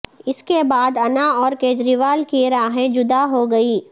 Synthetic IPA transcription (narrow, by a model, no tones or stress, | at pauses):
ɪskebaːd̪ɐnaɔːɾkeːd͡ʒɾiːʋaːlkiɾaːɦẽd͡ʒʊd̪aɦoɡɐiː